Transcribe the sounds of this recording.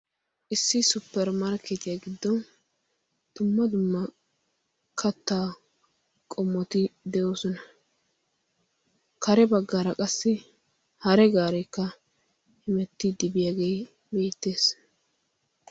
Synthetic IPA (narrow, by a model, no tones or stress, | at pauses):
ʔɪsːɪsʊpːɛɾmɐɾkɛt̪ɪjaɡɪd̪ːɔn | t̪ʊmːɐd̪ʊmːɐ | kʰɐt̪ːaː | kʼɔmːɔt̪ɪd̪ɛʔoːsɔnɐ | kʰɐɾɛbɐɡːaɾɐkʼɐsːɪ | hɐɾɛɡaːɾɛkːɐ | hɪmɛt̪ːɪd̪ɪbɪjaːɡej | beːt̪ːe̞ːs